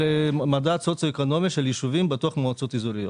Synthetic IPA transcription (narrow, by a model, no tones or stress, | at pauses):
emad̪at͡sot͡saekono̞miʃeljiʃuvimbetoaχmoat͡so̞t̪izuɾijo